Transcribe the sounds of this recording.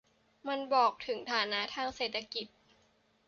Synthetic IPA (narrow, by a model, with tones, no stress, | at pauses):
ma˧nbɔː˨˩k̚t̪ʰɯ˩˦ŋt̪ʰaː˩˦na˦˥t̪ʰaː˧˥˩ŋseː˨˩t̪ʰːa˧ki˨˩t̪̚